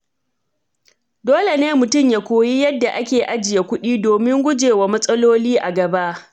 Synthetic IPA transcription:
doː˦le˨neː˦mʊ˨tʊ˦˨mja˨kʷoː˨ji˦jɐ˦dːa˨ʔa˦kʲeː˨ʔa˦d͡ʒɪ˨ja˨kʷʊ˦ɗiː˦doː˨mɪ˦ŋɡʷʊ˦d͡ʒeː˨wa˨mɐ˦sʼɐ˦loː˦liː˦ʔa˨ɡɐ˨ba˦ʔ

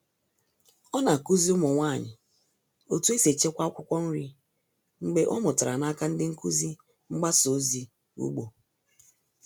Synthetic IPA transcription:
ɔ˦na˨ku˦zi˦ʊ˦mʊ˨ŋʷa˦˨ɲɪ̰˨ | o˨tu˦e˦se˨t͡ʃe˦kʷa˦ɔ˦kʷʊ˦kʷɔ˦n̩˦ɾi˦ | ŋ͡m̩˦ɡ͡be˦ʔɔ˦mʊ˨ta˨ɾa˨na˦ka˦n̩˦dɪ˦ŋ̩˦ku˦zi˦ | ŋ͡m̩˦ɡ͡ba˦so˨˦zi˨ | ṵ˦ɡ͡bo˨

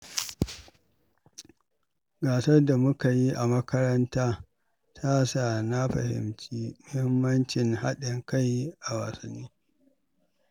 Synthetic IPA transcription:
ɡaː˨sɐ˦rda˨mʊ˦ka˨ji˦ʔa˨mɐ˦kɐ˦ɾɐ˦ntaː˦ | tʰa˦saː˨na˦ɸɐ̰˨hɪ̰˨mt͡ʃiː˦mʊ˦hɪ˦mːɐ˦nt͡ʃɪ˨ŋha˦ɗɪ˨ŋka˦jʔa˨wa̰ː˨sɐ˨nːiː˦

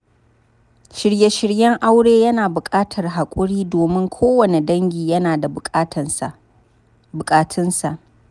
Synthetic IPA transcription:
ʃɪ˨ɾje˦ʃɪ˨ɽjɛ˦ŋʔa˦wɽeː˦jɐ˦naː˨bʊ˨kʼaː˦tʰɐ˨rɦa˨kʷʼʊ˦ɽiː˦doː˨mɪ˦ŋkʷʰoː˦wɐ˨ne˨dɐ˦ŋɡʲiː˨jɐ˦naː˨da˨ | bʊ˨kʼaː˦tʰɪ˦nsa˨ʔ

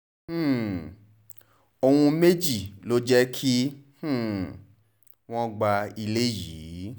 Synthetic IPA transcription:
o˧wũ˧me˦d͡ʒi˦˨lo˦d͡ʒɛ˦kʰi˦h̩˦˨ | w̃ɔ̃˦ɡ͡ba˧i˧le˦jiː˨˦

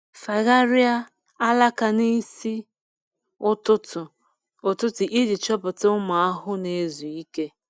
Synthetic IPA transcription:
fa˨ɣa˦ɾi˦a˦ | a˦la˦ka˨ni˦si˦ | ʊ˦tʊ˦tʊ˨ | ʊ˨tʊ˦tʊ˨ʔi˦di˨t͡ʃɔ˦pʊ˨tʊ˦ʊ˦ma˨a˦ɦʊ˦ne˦zu˨i˦ke˦

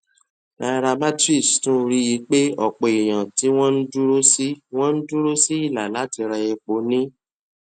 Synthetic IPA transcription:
a˨˧ɾa˧ma˦ti˦˨stũ˦ɾi˦ji˧˦k͡pe˦ɔ˦˨k͡pɔ˨i˨j̃ã˨ti˨˦w̃ɔ̃˦n̩˦du˦ɾo˦si˦w̃ɔ̃˦n̩˦du˦ɾo˦si˦i˦˨la˨la˨˦ti˧ɾɛ˧je˧k͡po˨˦nĩ˦

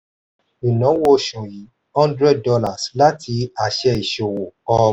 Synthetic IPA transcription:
i˨nã˨˦wo˦ʃũ˨ji˨˦ | hɔ̃˦ndɾɛ˦d̚dɔ˧la˨sla˦tʰi˧˦a˨ʃɛ˧i˨ʃo˨wo˨ɔ˧˦

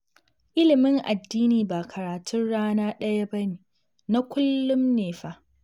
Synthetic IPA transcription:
ʔɪ˦lɪ˨mɪ˦ŋʔa˨dːiː˦niː˨ba˨kʰɐ˨ɾaː˨tʰʊ˦nɽaː˦naː˦ɗɐ˦ja˦bɐ˦neː˨ | na˦kʷʊ˦lːʊ˦mneː˨ɸa˦ʔ

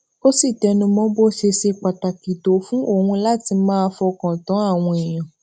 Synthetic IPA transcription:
ko˦si˦˨tɛ˧nũ˧mɔ̃˦bo˦ʃe˧ʃe˧k͡pa˨ta˨ki˨to˨˦fũ˦o˦˨hũ˧la˦ti˧mãː˦˧fɔ˧kã˨tã˨˦a˦˨w̃ɔ̃˧e˨j̃ã˨

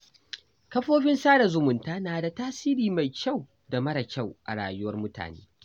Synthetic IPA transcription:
kɐ˦ɸoː˦ɸɪ˦nsaː˦da˨zʊ˨mʊ˨ntaː˦naː˨da˨taː˦siː˦ɾiː˨ma˨jkʲa˦˨w | da˨mɐ˦ɾa˨kʲa˦˨wʔa̰˨ɽa̰ː˨jʊ˦wɐ˦rmʊ˦ta̰ː˨nḛː˦

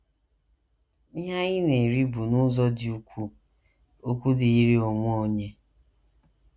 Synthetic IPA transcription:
nɪ˦ɦa˦ɲɪ˦ne˨ɾi˦bu˨nʊ˦zɔ˦dɪ˨u˦kʷu˦ | o˦kʷu˦dɪ˨i˦ɾi˦o˨ŋʷʊ˦o˨ɲe˦

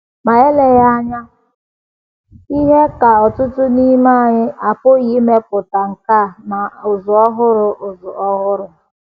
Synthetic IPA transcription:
ma˨e˦le˦ɣa˦ɲa˦ | i˦ɦe˦ka˨ɔ˨tʊ˦tʊ˦ni˦ma˦˨ɲɪ˦ʔa˨pʊ˦ɣi˦me˦p̚ʊ˨ta˨ŋ̩˨ka˦˨ma˨ʊ˨zʊ˨ɔ˦ɦʊ˦ɾʊ˨ʔʊ˨zʊ˨ɔ˦ɦʊ˦ɾʊ˨

